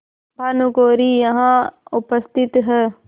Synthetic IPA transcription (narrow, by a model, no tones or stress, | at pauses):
bʱanukoːɾijɐɦãʊpəst̪ʰɪt̪ɦɛː